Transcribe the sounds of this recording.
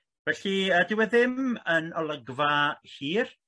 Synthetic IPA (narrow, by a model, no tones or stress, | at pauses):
vɛɬiədɪwɛðɪmənɔlˠəɡvahiːr